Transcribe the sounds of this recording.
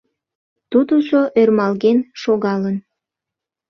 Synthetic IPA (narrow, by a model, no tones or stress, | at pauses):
t̪ud̪usoʔørmɑlɣenʃoɣɑlən